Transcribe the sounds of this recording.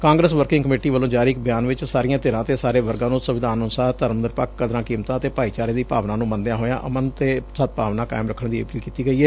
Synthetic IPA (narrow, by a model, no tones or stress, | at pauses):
kãːŋɡɾəsʋəɾkɪ̃ŋɡkəmeːʈiːʋəlːõːd͡ʒaːɾiːkbɪjaːnʋɪt͡ʃsaːɾɪjãːt̪eːɾãːt̪eːsaːɾeːʋəɾɡãːnũːsəʋɪd̪ʱaːnʊnsaːt̪əɾmənd̪əɾpəkːəd̪ɾãːkiːmt̪ãːət̪eːpaːiːt͡ʃaːɾeːd̪iːpa̰ːʋnãːnũːmənd̪jãːɦoːjã̰ːʔə̰mənt̪eːsət̪̚paːʋnaːka̰ːɪmɾəkʰːəɳd̪iːḛpliːkiːt̪iːɡəiːɛː